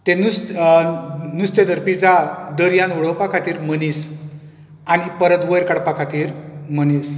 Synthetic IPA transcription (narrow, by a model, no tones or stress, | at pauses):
t̪enus | nust̪ed̪əɾpid͡zad̪əɾjanʋəɽəwpakʰat̪iːɾmənis | añipəɾət̪ʋəjɾkaɽpakʰat̪iːɾməniːs